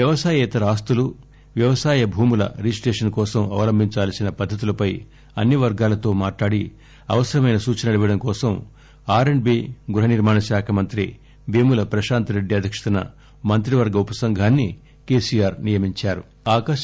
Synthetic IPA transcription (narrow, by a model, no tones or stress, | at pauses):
jɐʋɐsaːjɛːt̪ɐɾaːst̪ulu | ʋjɐʋɐsaːjɐbʱuːmulɐ̰ɾisʈeːʂɐnkɔːsɐmɐ̰ʋɐlɐmbʱiɲt͡ʃaːlsinɐpɐd̪ʱːɐt̪̬ulɐpɐj | ɐnːiʋɐɾɡaːlɐt̪o̞ːmaːʈlaːɽi | ɐʋɐsɐɾɐmɐjnɐsuːt͡ʃɐnɐlɐʋiɐɽɐŋkɔːsɐm | aːɾeɳɖbiːɡuɾɦɐniɾmaːnɐʃjaːkʰɐmɐnt̪ɾḭ | beːmulɐpɾɐʃaːnt̪ɐɾe̞ɖːiɐd̪ʱjɐkʂɐ̥t̪ɐnɐ̰ | mɐnt̪ɾiʋɐɾɡɐupɐsɐŋɡʱaːnːi | ke̞ːsijaːɾnijɐmiɲt͡ʃaːɾu | aːkɐ